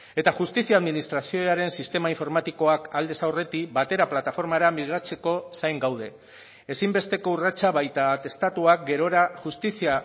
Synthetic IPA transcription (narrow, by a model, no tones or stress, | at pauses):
e̞t̪axust̪isiaːðminist̪ɾasio̞aɾe̞nsist̪e̞maiɱfo̞ɾmat̪iko̞akald̪e̞sawre̞t̪ibat̪e̞ɾaplat̪afo̞ɾmaɾamiɣat͡se̞ko̞sajŋɡawð̞e̞ː | simbe̞st̪e̞ko̞urat͡saβajt̪at̪e̞st̪at̪uak̚ɡe̞ɾo̞ɾaʝust̪isia